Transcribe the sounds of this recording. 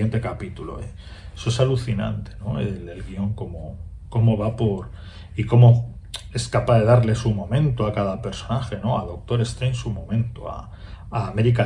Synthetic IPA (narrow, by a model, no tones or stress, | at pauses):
ent̪e̞kapit̪ulo̰e | esoe̞saluθina̰nt̪e̞̥no̞elelɣio̞ŋko̞mo̞ | ko̞mo̞βapo̞ɾ | iko̞mo̞ | e̞skapaðe̞ðaɾle̞sumõ̞mẽnt̪oakaðape̞ɾso̞naxe̞no̞aðo̞k̚t̪o̞ɾe̞st̪ɾensumõ̞mẽ̞nt̪oa̰ | aːmeɾik̬a